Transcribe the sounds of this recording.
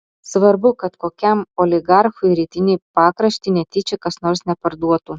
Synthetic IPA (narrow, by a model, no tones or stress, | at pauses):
sʋɐɾbʊkɐt̪koːkʲɛmoːlʲɪɡɑɾxʊɪɾʲiːt̪ʲɪnʲiːpɑːkɾɐʃʲt̪ʲinʲɛt̪ʲɪt͡ʃʲɛkɐsnɔɾsnʲɛpɐɾd̪uɔt̪uː